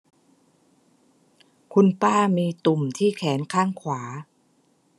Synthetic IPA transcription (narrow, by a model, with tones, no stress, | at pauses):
kʰu˧npaː˥˩miː˧t̪u˨˩mt̪ʰiː˥˩kʰɛː˩˦nkʰaː˥˩ŋkʰwaː˩˦